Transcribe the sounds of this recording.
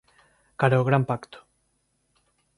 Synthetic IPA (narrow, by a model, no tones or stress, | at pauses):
kaɾaoɣɾampakt̪o̥